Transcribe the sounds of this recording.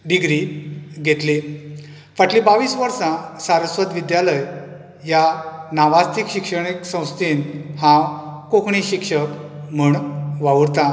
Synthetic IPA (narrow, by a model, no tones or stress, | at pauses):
ɖiɡɾiɡʱet̪le | faʈlĩbaʋiːsʋəɾsãsaɾəsʋəd̪ʋid̪jaləj | janaʋast̪ikɕikʂəɳ̃iksə̃w̃st̪iːnhãkõkɳiɕikʂəkm̤əɳʋaʋuɾt̪ã